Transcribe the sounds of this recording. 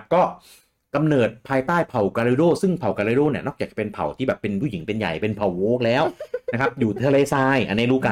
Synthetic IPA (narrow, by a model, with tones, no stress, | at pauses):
kɔː˥˩ | ka˧mnɤː˨˩t̪̚pʰaː˧jt̪aː˥˩jpʰa˨˩wkaː˧ɾeː˧ɾoː˥˩sɯ˥˩ŋpʰa˨˩wka˧ɾeː˧˥ɾoː˥˩ni˥˩nɔː˥k̚jaː˨˩k̚t͡ɕa˧pe˧npʰa˨˩wt̪ʰiː˥˩ɛː˨˩pːe˧npʰu˥˩ji˩˦ŋpe˧nja̰˨˩jpe˧npʰa˨˩woː˦˥k̚lɛː˦˥wna˦˥kʰa˦˥p̚juː˨˩t̪ʰaː˧leː˧˩saː˧jʔa̰˧nː˦˥˩ɾuː˦˥˩ka˧